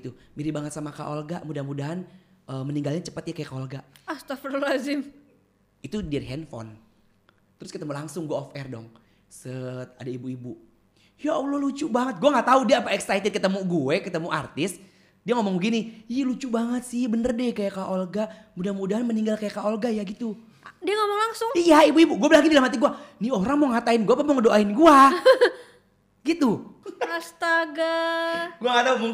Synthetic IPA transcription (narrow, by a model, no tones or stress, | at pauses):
t̪umiɾibaŋət̪samaka̰ʔolɡaʔmudahmudaɦan | əməniŋɡalɲat͡ʃə̥pət̪̚ɲakajakaolɡaʔast̪afɾolazɪm | it̪udiriɦɛnfɔ̰n | t̪əɾʊskət̪əmulaŋsʊŋɡuaɔfɛrdɔ̰ŋ | səadaibuibu | jaolɔlut͡ʃuʔbaŋət̪̚ɡuaŋɡaʔt̪audiaːpaɛksajt̪əd̚kət̪əmuɡuekət̪əmuʔart̪ɪs | diaŋomɔŋbəɡiniialut͡ʃuʔbaŋət̪̚sɪhbənərdɛkajakaʔolɡamudahmudaɦanməniŋɡalkajakaolɡajaɡit̪u | diaŋomɔŋlaŋsʊŋijaibuibuɡuabəlaɡidilamɦat̪iɡuanioɾaŋmɔŋat̪aɪnɡuapamɔŋədoʔaɪnɡua | ɡit̪uast̪aɡaɡuaŋɡat̪aumɔŋ